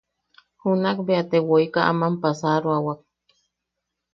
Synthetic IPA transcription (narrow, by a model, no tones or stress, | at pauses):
hunakbeat̪ewoikaʔa̰mampasaɾuawak̚